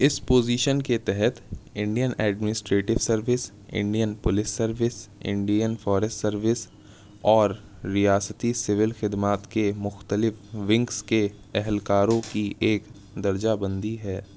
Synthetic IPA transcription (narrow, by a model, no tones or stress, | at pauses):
ɪspoːziːʃənket̪ɛɦɛt̪ɪ̃ɳɖijənɛːɖmɪnɪsʈɾeːʈɪʋsɐɾʋɪs | ɪ̰̃ɳɖijənpʊlɪsːɐɾʋɪsɪ̰̃ɳɖijənfɔːɾɛsʈsɐɾʋɪs | ɔːɾː | ijaːsət̪isɪʋɪlxɪd̪maːt̪kemʊxt̪əlɪfʋɪ̃ŋkske | ɛɦɛlkaːɾõkiʔeːk | d̪ɐɾd͡ʒabɐ̃nd̪iɦɛː